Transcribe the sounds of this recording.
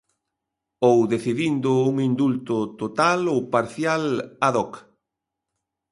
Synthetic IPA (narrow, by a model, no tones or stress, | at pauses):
owðeθiðind̪ʊuŋind̪ult̪ʊt̪ot̪alowpaɾθjalaðɔk